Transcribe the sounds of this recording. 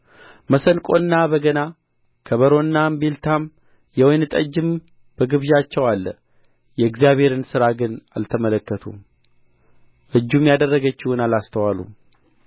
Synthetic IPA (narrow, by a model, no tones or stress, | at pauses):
məsənkʼo̞nːabəɡəna | kʰəβəɾo̞nːambelt̪ʰam | jɛwojnɨt̪ʼə̰d͡ʒːɪm | b̥əɡɨβʒat͡ʃːɛwalːə | jɛɨɡzjaβhe̞ɾɨnsɨɾaɡɨna̰lt̪ʰəmələkːət̪ʰṵ | ʔɨd͡ʒːumjad̪ərːəɡət͡ʃːɪhunalast̪ʰəwalṵ